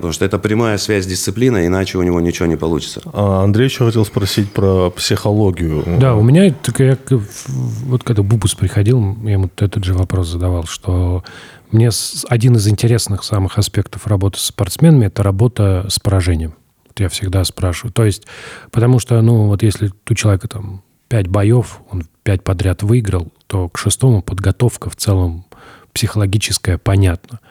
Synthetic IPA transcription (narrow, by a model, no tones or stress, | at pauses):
ət̪ɐmuʂt̪oɛt̪əpɾʲɪmajəsvʲæzʲdʲɪst̪sɨplʲinəɪnat͡ɕɪʊnʲɪvo̞nʲɪt͡ɕɪvonʲɪpɐlˠut͡ɕɪ̥t̪sə̥aɐnd̪ɾʲejvɪɕjoxɐtʲespɾɐsʲitʲpɾəpsʲɪxɐlˠoɡʲɪjʊd̪aʊmʲɪnʲat̪okəja | vot̪̚kɐɡd̪abubʊspɾʲɪxɐdʲilˠjaɪmut̪ut̪ɛt̪əd̪ʐɨvɐpɾo̞szəd̪ɐvalˠʂt̪ʰo̞ | mnʲesɐdʲinɨzɪnʲtʲɪɾʲe̞snɨxsamɨxɐspʲe̞kt̪əfrɐbo̞t̪ɨ̥sːpɐrt̪smʲe̞nəmʲɪɛt̪əɾɐbo̞t̪əspəɾɐʐɛnʲɪjəm | vot̪jafsʲɪɡd̪aspɾaʂɨvəʊt̪o̞ɪsʲtʲpət̪ɐmuʂt̪onuvo̞t̪jesʲlʲɪt̪ut͡ɕɪlˠɐvʲekət̪am | pʲætʲbɐjo̞fo̞npʲæt̚ʲpɐd̪ɾʲat̪vɨɪɡɾəlˠt̪o̞kʂɨst̪o̞mʊpəd̪ɡɐt̪o̞fkəft̪sɛlˠəmpsʲɪxəlˠɐɡʲit͡ɕɪskəjəpɐnʲat̪nə